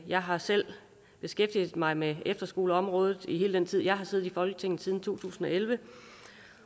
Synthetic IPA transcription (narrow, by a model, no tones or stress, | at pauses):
jɑ̈ɪɦɑ̈sel̰ | b̥e̝sɡ̥efd̥ið̩ˠmɑ̈ɪmeefd̥ɐsɡ̥o̝ːləɒ̽mʁɔ̽ːð̞ˠð̩ˠiɦe̝ːləd̥en̰t͡sʰið̰ˠjɑ̈ɪɦɑ̈se̝ːð̩ˠifɒ̽lɡ̥ət͡sʰe̝ŋn̩ˠsiːð̞ˠn̩t͡sʰo̝̰ːt͡sʰṵːsn̩ɒ̽elʋə